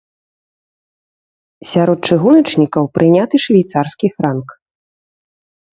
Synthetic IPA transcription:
sʲaɾɔt̪̚t͡ʂɨɣunɐt͡ʂnʲikɐwpɾʔɨnʲat̪ɨʂvʲajt̪sarskʲifɾank

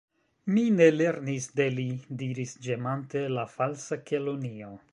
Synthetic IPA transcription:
mine̞le̞ɾnisde̞lidiɾisd͡ʒemante̞lafalsake̞lo̞nio̞

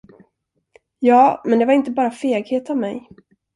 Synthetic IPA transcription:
jɑːmɛnd̪ɛvaɾɪnt̪əbɑːɾafeːɡheːt̪avmɛ̰j

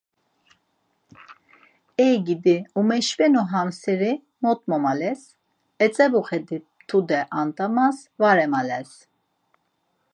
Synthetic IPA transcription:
ɛjɡid̪iumɛʃvɛnuɦamsɛɾi | mɔt̪ʼmɔmalɛs | ɛt͡sʼɛbuχɛd̪i | t̪ʰud̪ɛʔant̪ʼamas | vaɾɛmalɛs

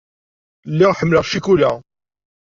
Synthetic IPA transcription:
lːiʁħəmːləʁʃikulæ

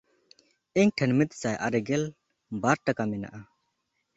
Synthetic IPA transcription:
ɛɲʈʰənmit̪̚sajʔa̰ɾɛɡɛl | baɾʈakamɛna̰ʔa

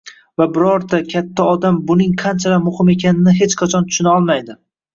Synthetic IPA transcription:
vabɪɾɒɾt̪akʲʰat̪ʰːaɒd̪ambʊnɪŋqʰɑnt͡ʃʰalamʊhɪme̞kʲʰanɪnɪɦe̞t͡ʃqʰɑt͡ʃʰɒnt̪ʰʊ̥ʃʊnaɒlˠmajd̪ɪ

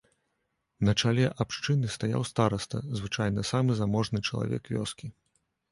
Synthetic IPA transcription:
nɐt͡ʂalʲɛʔapʂt͡ʂɨnɨst̪aja̰wst̪aɾɐst̪ɐ̰zvɨt͡ʂajnɐsamɨzamɔʐnɨt͡ʂɐlˠa̰vʲɛ̰kvʲɔ̰skʲi

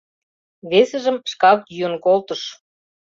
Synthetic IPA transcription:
βesə̆ʒə̆mʃkɑkjyənkolt̪ɤ̆ʃ

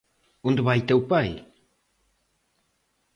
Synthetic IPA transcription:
und̪əβajt̪ewpaj

